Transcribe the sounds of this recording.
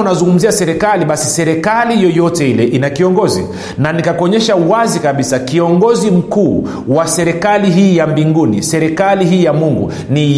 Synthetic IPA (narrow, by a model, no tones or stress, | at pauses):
unazuŋɡum̩ziasɛɾɛkaliɓasisɛɾɛkalijɔjɔtɛilɛʔinakiɔŋɡɔzḭ | nanikakɔɲɛʃauwazikaɓisakiɔŋɡɔzim̩kuː | wasɛɾɛkaliɦiːjambiŋɡunḭsɛɾɛkaliɦiːjamuŋɡṵ | ni